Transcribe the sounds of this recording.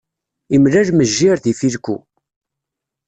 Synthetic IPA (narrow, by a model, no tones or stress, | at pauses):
imlælməʒːiɾθifilkʷṵ